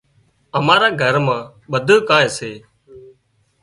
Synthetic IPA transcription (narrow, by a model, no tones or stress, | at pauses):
əmaːɾaːɡʱəɾmãː | ɓəd̪ʱəːkãːẽːseː